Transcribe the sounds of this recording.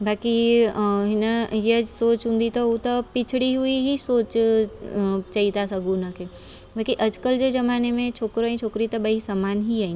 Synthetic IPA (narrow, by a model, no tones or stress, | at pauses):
baːki | ɦɪnəjed͡ʒsoːt͡ʃɦũːnd̪it̪out̪opɪt͡ʃʰɽiɦuiɦisoːt͡ʃ | t͡ʃaɦit̪asɐɡunəke | baːkiʔɐd͡ʒkəld͡ʒod͡ʒɐmaːnemẽt͡ʃʰoːkɾoĩt͡ʃʰoːkɾit̪obɐɦisamaːnɦiaːĩ